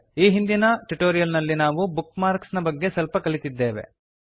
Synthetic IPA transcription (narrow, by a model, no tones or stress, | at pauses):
iːɦind̪inɐʈuʈoːɾijɐlnɐlːinaːʋubukmaːɾksnɐbɐɡːe̞sɐlpɐkɐlit̪id̪ːe̞ːʋe̞̰